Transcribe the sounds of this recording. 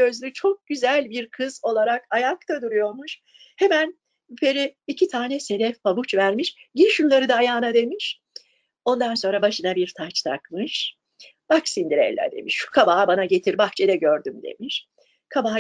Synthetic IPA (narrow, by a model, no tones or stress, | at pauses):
ø̞zlʲyt͡ʃʰo̞k̚ɟyzælʲbiɾkʰɯzo̞lˠaɾakajak̚t̪ʰad̪uɾujo̞ɾmuʃ | he̞mæn | pʰe̞ɾiːcʰit̪ʰaːnɛse̞d̪ɛfpabut͡ʃvæɾmiʃɟiʃunlˠaɾɯd̪aːjaːnad̪e̞miʃ | o̞nd̪anso̞nɾabaʃɯnabiɾt̪ʰat͡ʃt̪ʰa̰kmɯʃ | b̥aksind̪iɾḛjlʲɛ̰d̪e̞̰miʃʃu̥kʰabaːbanaɟe̞t̪ʰiɾbaxt͡ʃʰɛd̪ɛɟøɾd̪ymd̪e̞̰miʃ | kʰaba